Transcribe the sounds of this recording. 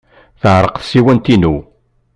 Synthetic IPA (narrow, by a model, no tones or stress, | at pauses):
θəʕɾˤəqθsiwænt̪inu